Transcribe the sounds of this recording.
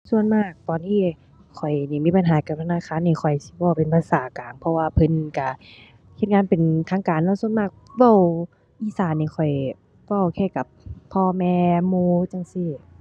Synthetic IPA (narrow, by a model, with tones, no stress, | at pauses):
su˧˨ənmaː˧˥˩k̚t̪ɔː˧˨nt̪ʰiː˧˨ | kʰɔ˨˩jniː˧˩miː˧˥˨pa˨nɦaː˨˦ka˨˧˩p̚t̪ʰa˧naː˧˨kʰaː˧˨nːiː˧˩kʰɔ˨˩jsi̥˧˦bɔː˧˩˨pe˨npʰa˧˥saː˨˩˦kaː˨˦ŋpʰɔ˧waː˧pʰɤ˧˦n˧ka˧˩ | hʰe˧˩t̪̚ŋaː˧˥npe˨nt̪ʰaː˧˥ŋkaː˨nlɔ˧˦˨su˧ənmaː˧˥˩k̚wa˧˩˨w | ʔiː˧˩saː˨˦nːiː˧˩kʰɔ˨˩j | wa˧˩wkʰɛː˧˩ka˧˩p̚ʰːɔː˧mɛː˧muː˧˥t͡ɕa˧˨ŋsiː˧˩